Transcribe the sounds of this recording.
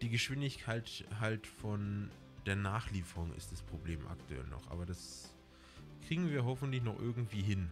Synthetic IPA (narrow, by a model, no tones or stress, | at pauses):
d̥iːɡəʃv̥ɪndɪçkʰaɪtɦaltfɔn | d̥eːɐnaːχliːfəʁʊŋɪ̰std̥aspʁ̥obleːmʔa̰ktuɛ̰lnɔ̰χʔa̰ːbɐdas | kʁ̥iːɡŋ̩viːɐɦɔfn̩tlɪçnɔχʔɪɐɡŋ̩tv̥iːɦɪn